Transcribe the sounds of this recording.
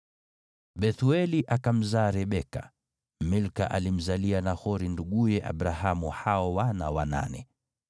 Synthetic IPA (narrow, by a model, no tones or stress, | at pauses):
ɓɛθuɛliʔakam̩zaːɾɛɓɛka̰ | milka̰ʔalim̩zalianahɔɾinduɠujɛʔa̰ɓɾaɦamuhaɔwana̰wana̰nɛ̰